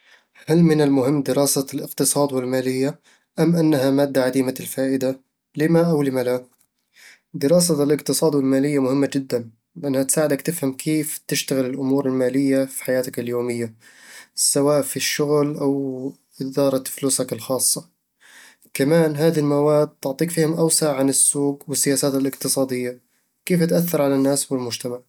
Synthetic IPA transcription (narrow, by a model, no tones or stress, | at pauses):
halmɪnɪlmʊɦɪmːd̪ɪɾɑːsalʔɪqt̪ɨsˤɑːd̪wɪlmaːlɪjːa | ʔamʔanːaɦamaːd̪ːaʕad̪iːmalfaːʔɪd̪a | lɪmaʔawlɪmala | d̪ɪɾˤɑːs̬alʔɪqt̪ɨsˤɑːd̪wɪlmaːlɪjːamʊhɪmːad͡ʒɪd̪ːan | lɪʔanːhat̪saːʕɪd̪akt̪ɪfhamkʰeːft̪ɪʃt̪aɣɪlɪlʔʊmuːɾɪlmaːlɪjːafi̥ħajaːt̪akɪljoːmɪjːa | sawaːʔfiʃːʊɣlʔaw | ʔɪd̪ɑːɾˤɑfluːsakɪlxɑːsˤːɑ | kamaːnɦaːðilmawaːd̪̚t̪ʊʕt̪ˤiːkfiːhʊmʔawsaʕʕanɪsːuːɡwɪsːɪjaːsaːt̪ɪlɪqt̪ɨsˤɑːd̪ɪjːa | keːfat̪ʔaθːɑɾˤʕalanːaːswɪlmʊd͡ʒt̪amaʕ